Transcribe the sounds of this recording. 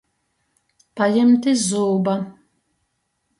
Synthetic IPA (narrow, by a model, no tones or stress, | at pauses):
pajɛmt̪izuːba